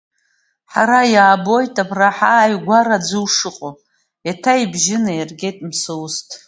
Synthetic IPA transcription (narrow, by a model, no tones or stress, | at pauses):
ħaɾajaːbo̞jtʼabʰraħaːjɡʷaɾad͡zɨwʂɨqʼo | jatʰaibʒɪnairɡʲe̞jtʼmsɨwstʰʼ